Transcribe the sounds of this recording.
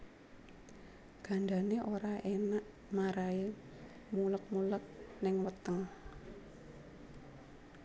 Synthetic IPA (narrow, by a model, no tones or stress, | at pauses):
ɡ̥aɳda̤neʔoɾaʔenaʔ | maɾae | mulək̚mulək̚nɪŋwət̪əŋ